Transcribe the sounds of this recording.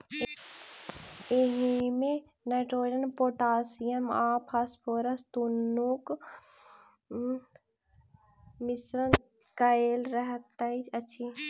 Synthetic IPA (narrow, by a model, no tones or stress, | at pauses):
eɦimẽ | neʈɾoːiɖənpoːʈaːsijɐmãːpʰaspoːɾɐst̪unːuk | mɪsɾən | kɐeːlɾəɦt̪ːait͡ʃɐtːʃʰi